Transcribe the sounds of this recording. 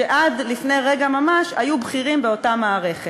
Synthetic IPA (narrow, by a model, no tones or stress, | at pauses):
eʔad̪lifnejʁe̞ɡamamaʃajubχiʁimbeo̞tamaːʁe̞χe